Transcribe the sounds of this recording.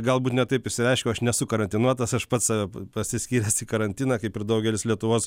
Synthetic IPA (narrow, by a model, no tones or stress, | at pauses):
ɡɐlˠbuːt̪nʲɛt̪ɐɪpɪʃʲsʲɪɾʲɛɪʃʲkʲɛɐʃnʲɛsʊkɐɾɐnʲt̪ʲɪnuɔt̪ɐsɐʃpɐt̪sɑʋʲɛpɐsʲɪsʲkʲiːɾʲɛsikɐɾɐnʲt̪ʲiːnɐkɐɪpɪɾd̪ɐʊɡʲɛlʲɪslʲiɛt̪ʊʋoːs